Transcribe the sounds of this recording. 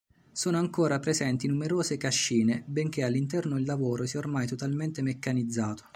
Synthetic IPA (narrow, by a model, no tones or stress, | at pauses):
soːnoaŋkoːɾapɾezɛnt̪inumeɾoːzekaʃːiːnebeŋk̟ealːint̪̬ɛrnoilːavoːɾosiɛormajt̪ot̪alment̪emekːanid̪zːaːt̪o̥